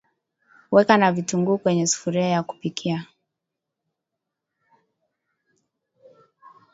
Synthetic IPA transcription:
wɛkanavituŋɡuːkwɛɲɛsu̥fuɾiajaku̥pikʰia

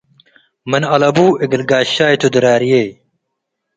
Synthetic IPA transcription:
mɐnɐlɐbuːiɡilɡaːɕaːjt̪ʰud̪ɨɾaːɾijej

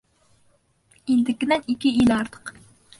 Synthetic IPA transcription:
end̪ɪkʲɪnɛnikʲːiilɑɾd̪ɨ̥q

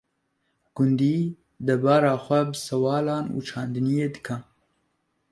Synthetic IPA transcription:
ɡ̥ʊnd̪iː | d̪ɛɾbɑːɾɑːxʷɛbɨsɛwɑːlɑːnṵːt͡ʃʰɑːnd̪ɨnijeːd̪ɨkʰɛn

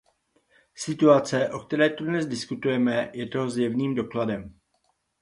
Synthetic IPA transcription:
sɪt̪uat͡sɛʔo̞kt̪ɛɾɛːt̪odnɛzdɪskut̪ujɛmɛjɛt̪oɦozjɛvniːmdo̞kladɛm

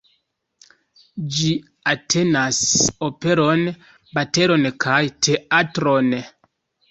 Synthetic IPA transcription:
d͡ʒi | atʰe̞naso̞pe̞ɾo̞n | bate̞ɾo̞nkʰajtʰe̞atɾo̞n

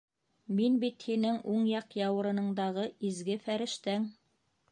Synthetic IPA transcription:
minbit̪hinɘŋuɴjɑqjɑwɤ̆ɾɤ̆nɤ̆ɴd̪ɑʁɤizɡɘfæɾɘ̆ʃt̪æŋ

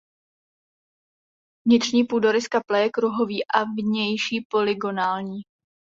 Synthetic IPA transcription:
vɲɪt̪r̥ɲiːpudoɾɪskaplɛjɛkɾuɦo̞viːʔavɲɛjʃiːpo̞lɪɡo̞naːlɲiː

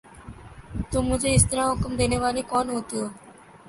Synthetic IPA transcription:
t̪umud͡ʒeist̪ɾaɦokomd̪eneβalekɔnɦot̪io

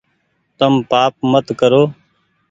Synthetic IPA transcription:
t̪əmpaːp̚mət̪kəɾoː

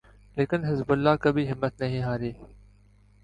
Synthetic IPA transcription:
leːkɪnɦɪzbʊlːaːkəbʱiɦɪmːət̪nɐɦĩːɦaːɾiː

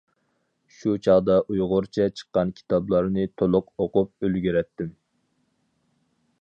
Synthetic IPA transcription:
ʃut͡ʃʰɑʁd̪ɑʔujʁʊɾt͡ʃʰɛt͡ʃʰə̥qːɑnkʲʰi̥t̪ʰɑblˠɑɾnɨt̪ʰolˠʊqoqʊp̚ølɡʲyɾɛt̪ːɪm

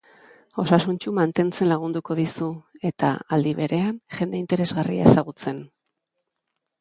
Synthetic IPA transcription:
o̞sasunt͡ʃumant̪e̞nt͡se̞nlaɣ̞und̪uko̞ðisue̞t̪a̰ald̪iβe̞ɾe̞anʝe̞nd̪e̞int̪e̞ɾe̞zɣaria̰e̞saɣut͡se̞n

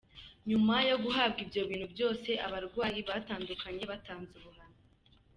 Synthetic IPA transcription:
ɲumajo̞ɡuɦab̚ɡibjo̞βiːn̥hubjo̞ːse̞ʔaβaɾɡwaːjiβaːtaːndukaɲe̞βataːnzuβuɦanu

